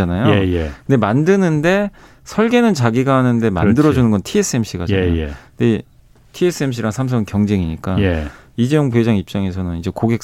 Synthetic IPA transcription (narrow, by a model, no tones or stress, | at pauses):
anajoejekɯnde̞mandɯnɯnde̞ | sʰʌɭɡe̞nɯnt͡ɕaɡiɡaɦanɯnde̞ma̰ndɯɾʌd͡ʑunɯnɡʌntʰie̞s͈ʰɯe̞mɕʰiɡaakɯnde̞ | tʰies͈ʰɯemɕ̬ʰiɾaŋsʰams̬ʰʌŋnkjʌŋd͡ʑe̞ŋiɲik͈aeid͡ʑejoŋpuɦe̞d͡ʑaŋip̚t͡ɕ͈aŋe̞s̬ʰʌnɯnid͡ʑe̞koɡe̞k̚